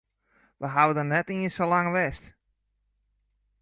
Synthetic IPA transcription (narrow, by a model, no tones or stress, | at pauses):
ʋəɦaʋədənɛtiənsolaŋʋɛst